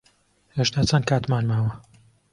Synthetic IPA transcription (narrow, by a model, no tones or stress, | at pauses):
heʃt̪aːt͡sʰɐn̚kʰaːt̪maːnmaːwɐ